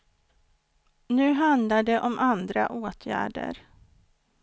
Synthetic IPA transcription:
nʉ̟ːɦand̪laɖɛʔɔmʔand̪ɾa̰ʔoːt̪ʰjæ̰ːɖə̰ɾ

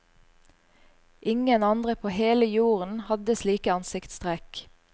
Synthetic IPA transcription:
ʔɪŋənɑnd̪ʁəpʰoːheːləjuːʁən̩hɑd̪əsliːkəɑnsɪkt̪st̪ʁeːk

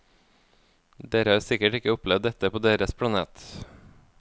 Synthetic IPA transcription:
d̪eːɾəhɑːɾsɪkəʈɪkəʊplɛʋd̪ɛt̪əpoːd̪eːɾəspʰɽɑnḛːt̪

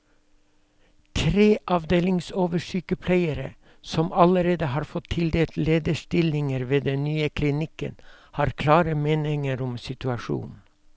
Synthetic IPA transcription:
t̪ʰɾeːʔɑʋd̪eːlɪŋsoːʋəʂyːkəpʰlæɪəɾə̰ | sɔmɑləɾeːd̪əhɑːɾfɔt̪ʰɪld̪eːlt̪leːd̪əʃt̪ɪlɪŋəɾʋeːd̪ɛnnyːəkʰlɪnɪkə̰nhɑːɾkʰlɑːɾəmeːnɪŋəɾɔmsɪt̪ʉɑʃṵːn

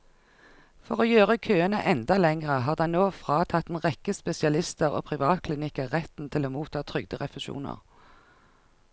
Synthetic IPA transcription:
fɔʁoːjøːʁəkʰøːənəʔɛnd̪ɑlɛŋʁəɦɑːʁd̪ɑɪnoːfʁɑːt̪ʰɑt̪ːn̩ʁɛkəspɛsɪɑlɪst̪əʁo̰ːpʰʁɪʋɑːt̪̚kʰlɪnɪkəʁɛt̪n̩t̪ʰɪloːmuːt̪ʰɑːt̪ʰʁʏɡd̪əʁɛfəʃṵːnə̰ʁ

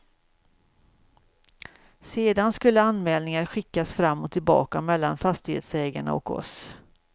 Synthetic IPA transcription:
seːd̪anskɵlːəanːmɛːlnɪŋaɾɧɪkːasfɾamːɔt̪ʰːɪlbɑ̰ːkamɛlːanfast̪ɪhḛːt̪sɛːɡaɳa̰ɔ̰kɔ̰s

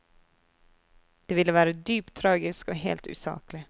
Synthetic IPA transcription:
d̪̥ɛvɪlːəvɑːɾad̪yːpt̪ʰːɾɑːɡɪskɔɦḛːlt̪ʉ̰ːsɑ̰ːklɪ

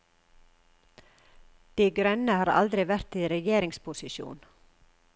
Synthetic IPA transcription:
d̪̥iːɡɾœnəhɑːɾɑ̰ld̪ɾɪʋæɾt̪iːɾɛjeːɾɪŋspʰʊsɪʃjṵːn

